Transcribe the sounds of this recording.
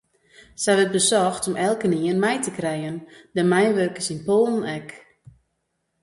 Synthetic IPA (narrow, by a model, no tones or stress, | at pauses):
sɛjʋət̚bəsɔxtɔmʔɛlˠkəniənmɛjtəkrɛjəndəmɛjnʋørkəsinpoːlˠn̩ɛk